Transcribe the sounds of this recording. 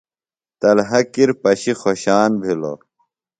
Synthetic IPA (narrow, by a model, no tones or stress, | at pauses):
t̪ɐlɦɐkiɾpɐɕixoɕaːnbʱilo̰